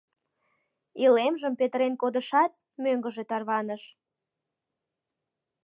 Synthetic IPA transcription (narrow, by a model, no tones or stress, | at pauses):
ilemʒəmpet̪əɾenkod̪əʃɑt̪̚ | møŋɡəʒet̪ɑrβɑnəʃ